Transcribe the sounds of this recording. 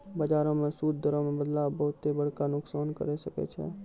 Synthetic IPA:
bəd͡ʒaːɾõmẽsuːd̪̚d̪ʱəɾõmẽbəd̪labəʊt̪ːebəɽ̤kanʊksaːnkə̰ɾesəkḛt͡ʃʰɛ̰ː

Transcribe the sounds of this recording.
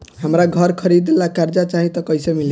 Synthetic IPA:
ɦamɾaɡʱʌɾkʰʌɾid̪lakaɾd͡zat͡saɦĩt̪ʌkʌjsʌmil

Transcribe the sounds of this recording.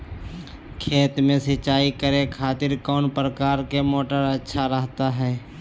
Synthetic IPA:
kʰeːt̪mẽsət͡ʃaːikəɾẽkʰaːt̪ɪɾkɔːnpɾəkaːɾkemoːʈəɾɐtːʃʰaɾəɦt̪aɦɛː

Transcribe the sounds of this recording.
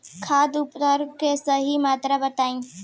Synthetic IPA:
kʰaːd̪ʊpt̪əɾkesɐɦimaːt̪ɾabɐt̪aːĩː

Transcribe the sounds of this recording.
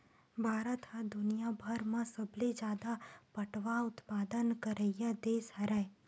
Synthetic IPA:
bʱaɾət̪had̪ʊnijabʱəɾmãsəblid͡ʒad̪apəʈʋaʊt̪pad̪ənkəɾəjad̪esɦəɾaj

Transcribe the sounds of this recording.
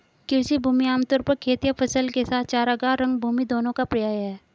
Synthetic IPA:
kɪɾsibʱuːmiaːmt̪ʊɾpɐɾkʰeːt̪ijəpʰɐsəlkesaːt̪̚ʰt͡ʃaːɾɐɡaːɾːɐ̃ŋɡ̚bʱuːmid̪oːnõkapɾɪjaːjɦɛː

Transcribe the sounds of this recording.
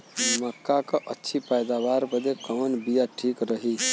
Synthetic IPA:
məkːakəʔətːʰipajd̪abaɾbəd̪ekəmnbijaʈʰikɾəɦi

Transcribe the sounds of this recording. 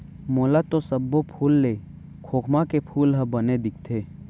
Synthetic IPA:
moːlat̪osəbːopʰuːlːeː | kʰoːkʰmakepʰuːlɦəbəned̪ɪk̚ʰt̪ʰeː

